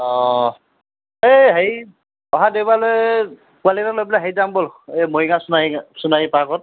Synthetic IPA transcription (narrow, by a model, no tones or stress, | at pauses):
ɔ | eɦej | ɔɦadewbaloj | kualitalojblaɦejzambolemoiɡasunaisunajipakɔt̚